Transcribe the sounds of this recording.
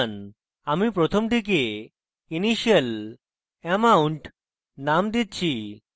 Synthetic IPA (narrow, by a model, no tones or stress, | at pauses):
n | amipɾot̪ʰomd̪ʱik̬e | iniɕjəl | ɛmauɳʈ | namd̪it̪̚t͡ɕʰi